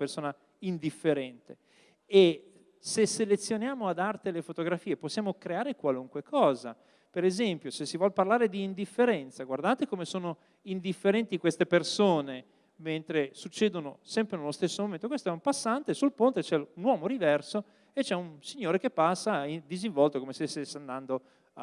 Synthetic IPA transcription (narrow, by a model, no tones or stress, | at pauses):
persoːna | ind̪ifːeɾɛnt̪e | e | seselet̪sːjonjaːmoad̪art̪elefot̪oɡɾafiːeposːjaːmokɾeaːɾekwaluŋkwekʰɔːza̰ | peɾezɛmpjosesːivwɔlparlaːɾed̪iːnd̪ifːeɾɛnt̪saɡward̪aːt̪ekomesoːno | ind̪ifːeɾɛnt̪ikwest̪epersoːne | ment̪ɾesut͡ʃːeːd̪onosɛmpɾenelost̪esːomoment̪okwest̪oɛumpasːant̪esulpont̪et͡ʃɛunwɔːmoɾivɛrso | et͡ʃːɛunsiɲːoːɾekepːasːaid̪iziɱvɔlt̪okomest̪esesːand̪and̪o